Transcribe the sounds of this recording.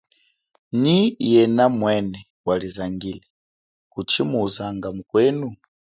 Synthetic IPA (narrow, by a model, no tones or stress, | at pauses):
nijɛnamwɛnɛ | walizaŋɡilɛ | kut͡ʃimuzaŋɡamukwɛnu